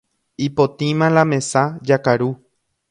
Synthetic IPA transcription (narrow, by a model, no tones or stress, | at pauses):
ipot̪ĩmãlãmẽ̞sad͡ʒakaɾu